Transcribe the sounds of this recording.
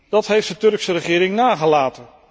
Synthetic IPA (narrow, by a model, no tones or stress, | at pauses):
d̥ɑtɦejftdətɵɹksəɾəχɪːɾɪŋnaːχəlaːtən